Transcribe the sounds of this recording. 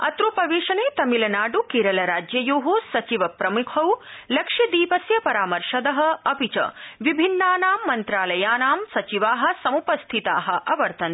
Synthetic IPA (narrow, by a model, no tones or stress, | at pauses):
ɐ̰t̪ɾupɐʋeːʃɐneːt̪ɐmilɐnaːɖukiːɾɐlɐɾaːd͡ʒjɐjoːɦosɐt͡ʃiʋɐpɾɐmukʰɐwlɐkʂɐd̪iːpɐsjɐpɐɾaːmɐɾʃɐd̪ɐɦɐ̆ɐpit͡ʃɐ̰ʋibʱinːaːnaːmːɐnt̪ɾaːlɐjaːnaːmsɐt͡ʃiʋaːɦɐ̆sɐmupɐst̪ʰit̪a̰ːɦɐ̆ʔɐʋɐɾt̪ɐn